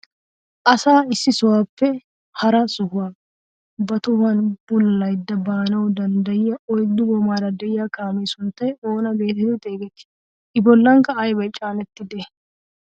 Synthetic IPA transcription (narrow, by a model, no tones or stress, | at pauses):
ʔɐsaːɪsːɪsɔwaːpːɛ | hɐɾɐsʊhʊwa | bɐt̪ʊwɐnb̥ʊlːɐjd̪ːɐbaːnɐwd̪ɐnd̪ɐjɪjɐʔɔjd̪ːʊɡɔmaːɾɐd̪ɛjɪjakaːmeːsʊnt̪ːɐjoːnɐbe̞ːt̪ɛt̪ɛt̪ʼe̞ːɡɛt̪ːɪ̥ | ʔɪbɔlːɐŋkɐːjbɐjt͡ʃʼaːnɛt̪ːɪd̪e